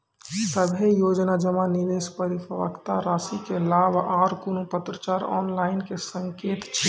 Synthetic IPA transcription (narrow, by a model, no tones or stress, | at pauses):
səbʱejoːd͡ʒnad͡ʒəmanɪd̪eːspəɾɪfʰəʋə̰kt̪aɾaːsikelaːbʱaːɾkʊnupət̪ɾət͡ʃaːɾɔ̰ːnlaːɪnkesə̃ŋkeːt̪t͡ʃʰi